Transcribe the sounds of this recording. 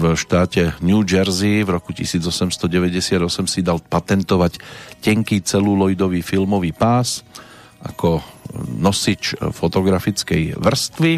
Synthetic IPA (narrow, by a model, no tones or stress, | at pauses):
vʃt̪aːcɛnjuːd͡ʒɛɾzivɾɔkucḭsiːd͡zɔsɛmst̪ɔɟɛʋɛɟɛsɪad̪ɔsɛmsid̪alpat̪ɛnt̪ɔʋaccɛŋkiːt͡sɛluːlɔjd̪ɔʋiːfilmɔʋiːpaːs | ʔa̰kɔnɔsit͡ʃfɔt̪ɔɡɾafit͡skɛjʋr̩st̪ʋi